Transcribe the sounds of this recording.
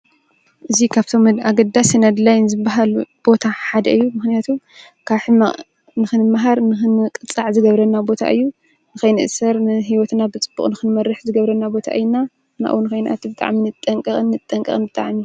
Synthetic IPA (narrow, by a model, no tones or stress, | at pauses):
ʔɨzikʰaβt̪ʰo̞mɨd̪aɡɐd̪ːasɨnɐd̪lajnɨzɨbːaɦalub̥o̞t̪ʰaħad̪ɐʔɨjːumɨxnijat̪ʰu | kʰaβħɨma | nɨxɨnɨmːaɦaɾnɨxɨnɨkʼɨt͡sʼːaʕzɨɡɐβɾɐnːabo̞t̪ʰa̰ʔɨjːu | nɨkɐjnɨʔsɐɾnɨɦiwɔt̪nabɨt͡sʼɨbːṵχʼnɨxɨnmɐɾːɨħzɨɡɐβɾɐnːabo̞t̪ʰa̰ʔɨjna | na̰ʔwunɨkɐjnʔa̰t̪ʰibɨt̪ʼa̰ʕminɨt̪ʼːɐŋkʼɐxʼɨnːɨt̪ʼːɐŋkʼɐ̰xʼɨnbɨt̪ʼa̰ʕmiju